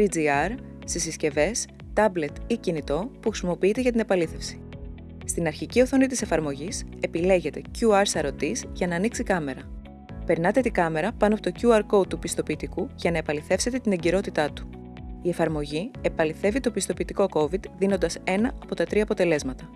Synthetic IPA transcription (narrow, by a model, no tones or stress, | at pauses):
id͡ziɐɾ | sisisce̞ve̞s | t̪ɐble̞t̪icinit̪o̞puxɾisimo̞piit̪e̞ʝɐt̪ine̞pɐliθe̞fsi̥ | st̪inɐɾçicioθo̞nit̪ise̞fɐɾmo̞ʝise̞pile̞ʝe̞t̪e̞cuɐɾsɐɾo̞t̪isʝɐnɐːniksikɐme̞ɾɐ | pe̞ɾnɐt̪e̞t̪iɡɐme̞ɾɐpɐnoɐpo̞t̪ocuɐɾko̞t̪upist̪o̞piːt̪ikuʝɐnɐepɐliθe̞fse̞t̪e̞t̪ineɲɟiɾo̞t̪it̪ɐt̪u̥ | ie̞fɐɾmo̞ʝie̞pɐliθe̞vit̪opist̪o̞piːt̪iko̞ko̞vid̪ðino̞nd̪ɐse̞nɐʔɐpo̞t̪ɐt̪ɾiɐːpot̪e̞le̞zmɐt̪ɐ